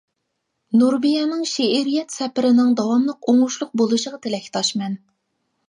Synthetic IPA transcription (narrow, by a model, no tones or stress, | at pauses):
nuɾbijɑnɨŋʃeʔiɾijɛt̪sɛpɪɾɪnɪŋd̪ɑwɑmlˠəqoŋʊʃlˠʊq̚bolˠɨʃəʁɑt̪ʰelɛkʲt̪ʰɑʃmɛn